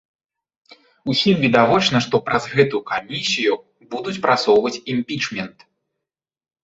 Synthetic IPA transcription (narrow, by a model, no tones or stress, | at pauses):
usʲimvʲid̪avɔt͡ʂnɐʂt̪ɔpɾʔɐzɣɛt̪ukamʲisʲiju | bud̪ut͡sʲpɾʔat̪sɔwvɐt͡sʲimʲpʲit͡ʂmʲɛnt̪